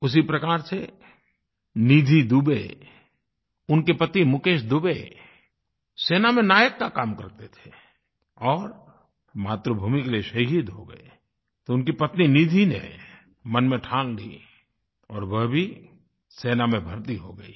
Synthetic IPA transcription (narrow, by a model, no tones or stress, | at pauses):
ʊs̬ipɾɐkaːɾse | niːd̪ʱid̪uːbḛ | ʊnkepɐt̪imʊkeːʃd̪ʊbe | seːnamẽnaːjəkːakaːmkɐɾt̪et̪ʰe̥ | ɔːɾ | maːt̪ɾobʱuːmikelieʃɐɦid̪ɦoɡə̰e | t̪oʊnkipɐt̪niniːd̪ʱinḛ | mɐnmẽʈʰãːllḭː | ɔːɾwəɦbʱi | seːnamẽbʱɐɾt̪iɦoɡəiː